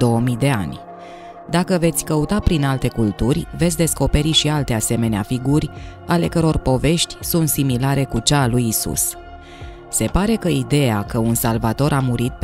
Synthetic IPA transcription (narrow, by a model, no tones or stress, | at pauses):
o̞wəmid̪e̞a̰nʲ | d̪akəve̞t̪sʲkəut̪apɾinalt̪e̞kult̪urʲvet̪sʲd̪e̞sko̞pe̞ɾiʃialt̪e̞ase̞me̞nea̰fiɡurʲ | ale̞kəɾo̞rpo̞ve̞ʃt̪ʲsunt̪similaɾe̞kut͡ʃalujisṵs | se̞paɾe̞kəid̪e̞jakəunsalvat̪o̞ɾʔamuɾit̪̚